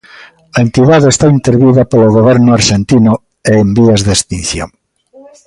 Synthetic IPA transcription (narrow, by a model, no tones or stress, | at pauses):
ɐent̪iðaðeest̪aint̪eɾβiðɐpeloɣoβɛɾnʊaɾʃent̪inʊ | eembiɐzðest̪in̟θjõ̰ŋ